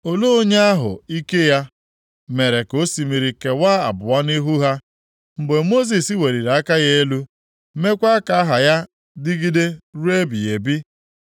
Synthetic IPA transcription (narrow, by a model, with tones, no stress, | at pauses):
o˨lo˦o˦ɲe˦a˦ɦʊ̰˨i˦ke˦ja˦ | me˨ɾe˨ko˦si˨mi˨ɾi˨ke˨waː˦a̰˨bʊ˨wa˦ni˦ɦu˦ɦa˦ | m̩˨ɡ͡be˨mo˦z̬i˨si˦we˨ɾi˨ɾa˦ka˦ɣe˦e˦lu˦ | me˦kʷa˦ka˦ɦa˨ja˦ | dɪ˦ɡi˦de˦ɾu˦e˦bi˨e˨bi˦